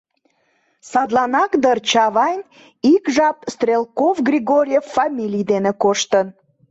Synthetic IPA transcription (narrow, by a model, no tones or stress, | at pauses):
sɑd̪lɑnɑkd̪ərt͡ɕɑβɑnʲ | ikʒɑpst̪rʲelkovɡrʲiɣoɾʲijefːɑmʲilʲijd̪enekoʃt̪ən